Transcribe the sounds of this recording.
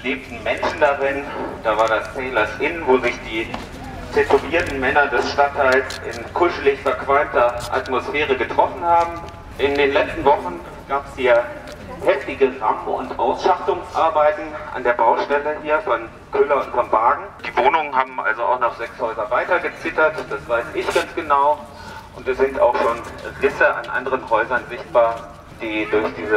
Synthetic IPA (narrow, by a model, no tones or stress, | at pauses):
leːp̚tn̩mɛnʃn̩daʁɪnd̥aːvaːɐdast͡sɛːlɐsʔɪnənvoːzɪçd̥iː | tʰɛtuviːɐtn̩mɛnɐdɛsʃtatʰːaɪlsʔɪ̰nkʰʊʃəlɪçsfɐkv̥alntɐʔa̰tmosfeːʁəɡətʁ̥ɔfn̩haːbm̩ | ʔɪndeːnlɛt͡stn̩vɔχn̩ | ɡ̥aːpəshiːɐ | hɛftɪɡəʁamʊ̰ntʔaʊsʃaχtʊŋsʔaɐbaɪtn̩ʔa̰ndeːɐbaʊʃtɛləhiːɐfɔn | kʰøːlɐʊntfɔnbaːɡŋ̩d̥iːvoːnʊŋənɦaːbm̩ʔa̰lzoa̰ʊxnɔχz̥ɛkshɔʏzɐvaɪtɐɡət͡sɪtɐtd̥asv̥aɪsɪçɡ̥ansɡ̥ənaʊ | ʔʊntd̥asz̥ɪnta̰ʊxʃoːnʁɪsəʔa̰nʔa̰ndəʁənɦɔʏzɐnzɪçt̚b̥aːɐ | d̥iːdʊɐçd̥iːzə